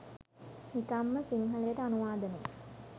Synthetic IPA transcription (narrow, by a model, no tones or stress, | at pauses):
nikɐmːəsiŋɦɐljeʈəanuʋaːd̪ɐnḛj